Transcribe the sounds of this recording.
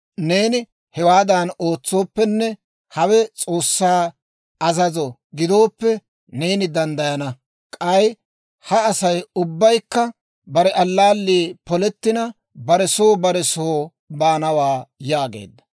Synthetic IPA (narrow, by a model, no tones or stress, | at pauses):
ne̞ːnɪ | hɛwaːd̪ɐno̞ːt͡sːo̞ːpːɛnːɛ | hɐwɛt͡sʼo̞ːsːaː | ɐzɐzɔɡɪd̪o̞ːpːɛ | neːnɪd̪ɐnd̪ɐjɐnɐ | kʼɐj | hɐːsɐjʊbːɐjkːɐ | bɐɾɛʔɐlːaːlːiːpɔlɛt̪ːɪnɐ | bɐɾɛsoːbɐɾɛsoː | baːnɐwaːjaːɡe̞̰ːd̪ːɐ